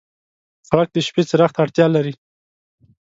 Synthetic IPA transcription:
xɾak̚d̪əʃpet͡səɾaxt̪aɽt̪jɑlaɾi

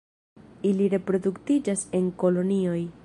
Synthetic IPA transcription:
iliɾe̞pɾo̞duktid͡ʒase̞ŋko̞lo̞nio̞j

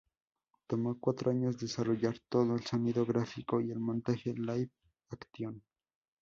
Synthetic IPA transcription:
t̪omokwat̪ɾoaɲozd̪esaroʝaɾt̪oðoelsoniðoɣɾafikoielmont̪axelajβ | akt̪jon

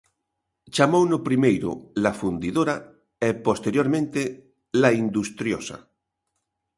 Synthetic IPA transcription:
t͡ʃamownopɾimejɾʊ̰lafund̪iðoɾa | epost̪eɾjoɾmẽnt̪e | laind̪ust̪ɾjosa̰

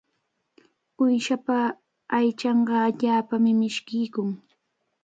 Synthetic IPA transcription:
ʊjʃapaː | jt͡ʃɑɴɢɑːʎaːpamɪmɪʃkɪjkʊŋ

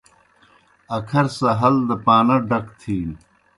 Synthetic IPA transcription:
ɐkʰɐɾsɐɦɐld̪ɐpaːnɐɖɐkt̪ʰiːn

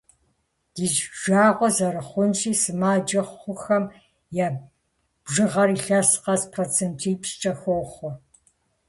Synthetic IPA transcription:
d̥iːʒʒaːʁʷɔzɐɾɨχʷʊnt͡ʃʼiːsɨmaːd͡ʒɐχʷʊxɐm | jaː | b̥ʒɨʁɐriːɬasqɐspʰrot͡sʰentʰiːpɕt͡ʃʼɐxoːχʷɔ

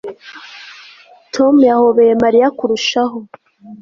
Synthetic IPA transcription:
tʰomujahoβejemaɾijakuɾuʃaɦo

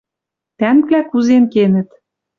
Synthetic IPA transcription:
t̪æmklækuzenkenɘ̆t̪

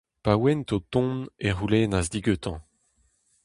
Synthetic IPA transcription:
pawɛnt̪ot̪ɔ̃neʁulenazdiɡøt̪ɑ̃

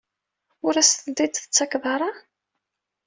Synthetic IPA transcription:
ʊɾæsəd̪id̪θət͡sːɑkðɑɾˤɑ

